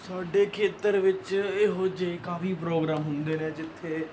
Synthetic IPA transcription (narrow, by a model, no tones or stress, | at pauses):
saːɖeːkʰeːt̪əɾʋɪt͡ʃeːɦoːd͡ʒeekaːfiːpɾoːɡɾaːmɦʊnd̪eːneːd͡ʒɪt̪ʰːeː